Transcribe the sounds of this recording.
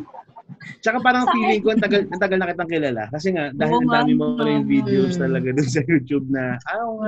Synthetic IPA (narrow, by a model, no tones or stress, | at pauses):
t͡ʃɐkapaːɾɐŋfiːlɪŋkoʔɐnt̪ɐɡalɐnt̪ɐɡalnɐkɪt̪aŋkɪlaːla̰kɐs̬ɛŋaʔd̪aːhɪlɐnd̪aːmɪnmɐpɾɐjʊŋviːd̪ɛost̪ɐlɐɡad̪ʊns̬ɐjuːt̪jub̚nɐa